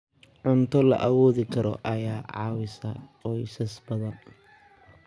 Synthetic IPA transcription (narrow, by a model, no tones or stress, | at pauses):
ʕʊnt̪ʰɔlɐ̰ʔɐwɔːðɪkʰɐɾɔ̰ʔɐjaːʕɑ̰ːwɪsɐqɔjsɐsbɐðɐn